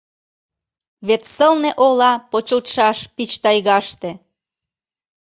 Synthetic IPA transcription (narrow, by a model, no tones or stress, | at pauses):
βet̪səlneʔolɑpot͡ɕəlt̪ʃɑʃpit͡ɕt̪ɑjɣɑʃt̪e